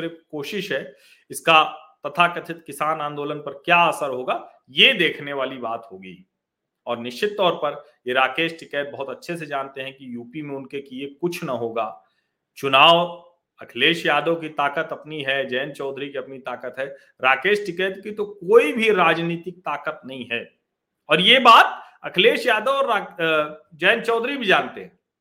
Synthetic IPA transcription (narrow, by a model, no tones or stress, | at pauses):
ɾɪkoːʃɪʃɦɛ | ɪskat̪ɐt̪ʰakɐt̪ʰɪt̪kɪsaːnãːnd̪oːlənpɐɾkjaəsəɾɦoːɡaː | jed̪eːkʰneʋaːlibaːt̪ɦoːɡḭː | ɔːɾnɪʃt͡ʃɪt̪ːɔːɾpɐɾ | jeɾaːkeːʃʈɪkɛːʈ̚bɐɦʊt̪ɐtːʃʰes̬ed͡ʒaːnt̪eɦɛ̃kijuːpimẽʊnkekiekʊt͡ʃʰnɐɦoːɡaː | t͡ʃʊnaːʋ | ɐkʰleːʃjaːd̪ok̬it̪aːkət̪ɐpniɦɛd͡ʒɛːnt͡ʃɔːd̪ʱɾikiɐpnit̪aːkət̪ɦɛː | ɾaːkeːʃʈɪkɛːʈ̪kit̪okoːibʱiɾaːd͡ʒniːt̪ɪk̚t̪aːkət̪̚nɐɦĩɦɛː | ɔːɾjebaːt̪̚ | ɐkʰleːʃjaːd̪oɔːɾa | d͡ʒɛːnt͡ʃɔːd̪ʱɾibʱid͡ʒaːnt̪eɦɛ̃ː